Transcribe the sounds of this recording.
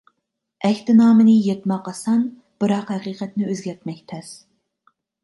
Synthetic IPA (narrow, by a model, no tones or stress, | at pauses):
ɛkʲt̪ɪnɑːmɨnɪjet̪mɑqːɑsɑn | b̥ɨɾɑqhæqiːqɛt̪nɪøzɡʲɛɾt̪mɛkʲt̪ʰɛs